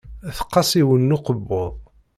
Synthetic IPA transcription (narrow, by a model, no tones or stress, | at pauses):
θə̥qːɑsˤiwənːʊqəbːoðˤ